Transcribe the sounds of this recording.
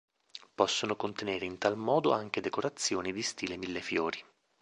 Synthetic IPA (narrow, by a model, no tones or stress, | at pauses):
pɔsːonokont̪eneːɾeint̪almɔːd̪o̰aŋk̟ed̪ekoɾat̪sːjoːnid̪ist̪iːlemilːefjoːɾi